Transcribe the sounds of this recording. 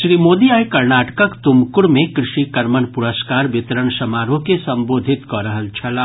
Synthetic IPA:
ʃɾiːmoːd̪iaːjkɐɾnaːʈə̥kəkt̪ʊmkʊɾmẽkɾɪʃikɐɾmənpʊɾəskaːɾʋɪt̪ɾənʃɐmaːɾõkesɐ̃mboːd̪ʱɪt̪kɔɾɐɦəlt͡ʃʰɐlaː

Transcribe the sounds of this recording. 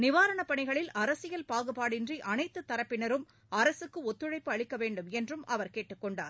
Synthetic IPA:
nɪʋaːɾɐɳɐpːɐɳɪɣɐɭɪlɐɾɐsɪjɐlpaːɣɯpaːɽɪndriʔɐnɐɪt̪ːɯt̪ːɐɾɐpːɪnɐɾɯm | ɐɾɐsɯkːɯɔt̪ːɯɻɐɪpːɯɐɻɪkːɐʋeːɳɖɯmɛndrɯmʔɐʋɐɾkeːʈːɯkːɔɳɖa̰ːɾ

